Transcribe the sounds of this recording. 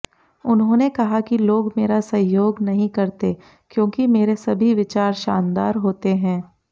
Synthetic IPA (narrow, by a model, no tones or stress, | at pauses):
ʊnɦõːnekɐɦakiloːɡmeːɾasɐɦjoːɡnɐɦĩkɐɾt̪e | kjõːkimeːɾesɐbʱiʋɪt͡ʃaːɾʃaːnd̪a̰ːɾɦoːt̪eɦɛ̃ː